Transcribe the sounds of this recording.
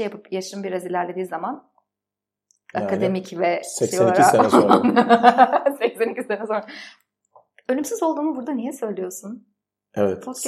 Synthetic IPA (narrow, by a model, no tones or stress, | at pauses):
japʰɯpjaʃɯmbiɾazilʲæɾlʲe̞d̪iːzaman | a̰kad̪e̞micvɛoɾian | secsenicizsenɛsoɾa | ønymsizo̞lˠd̪uːnubuɾd̪anijɛsø̞jlʲijo̞sun | ɛvɛt̪t͡ʃʰok